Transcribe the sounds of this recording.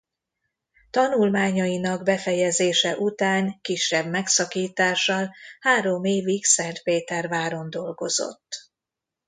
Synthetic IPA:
t̪ɒnulmaːɲɒinɒɡbɛfɛjɛzeːʃɛʔut̪aːŋkiʃːɛbmɛksɒkiːt̪aːʃɒlhaːɾo̞meːviksɛnt̪peːt̪ɛrvaːɾo̞nd̪o̞lɡo̞̰zo̞̰t̪ː

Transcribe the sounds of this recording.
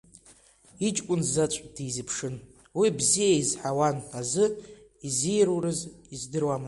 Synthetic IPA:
it͡ʃʼkʷʼʊnzzat͡ʃʷʼd̥ijzɨpʰʂɨn | wibzijaizħawanazɨ | izijɾuwrɨzizdɨrwamɨ

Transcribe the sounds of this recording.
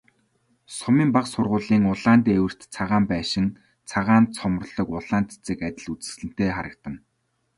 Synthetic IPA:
sʊmiːmpaqsʊrʁʊːɮiːŋʊɮaːnt̪iewɘ̆r̥t̪t͡sʰaʁaːmpæːʃɪ̆n | t͡sʰaʁaːnt̪t͡sʰɔm̆r̆ɮɞ̆kʊɮaːnt̪ʰt͡sɘ̆kat̪ʲɪ̆ɮut͡sɘ̥̆sɮɘ̆n̥t̪eːχaɾə̆k̚t̪ə̆n

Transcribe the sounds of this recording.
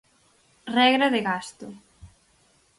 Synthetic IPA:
rɛɣɾaðɪɣast̪ʊ

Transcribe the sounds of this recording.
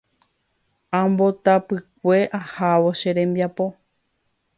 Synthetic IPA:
ãmbo̞t̪apɨk̚ʷe̞ʔahaʋo̞ʃeɾẽ̞mbiapo̞

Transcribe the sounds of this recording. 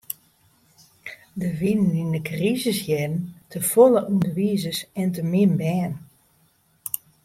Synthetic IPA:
dəʋinənindəkrizəsjɛdən̩tʰəfoləʔundəʋiəzəsɛntəmɪnbɛːn

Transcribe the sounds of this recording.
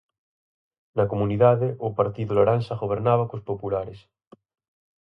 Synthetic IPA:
nakomũniðaðeʔopaɾt̪iðolaɾansaɣoβ̞eɾnaβakospopulaɾes

